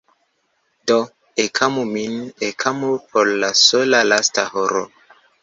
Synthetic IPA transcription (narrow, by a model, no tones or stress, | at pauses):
do | ekʰamuminekʰamupʰoɾːasolalastahoɾo̰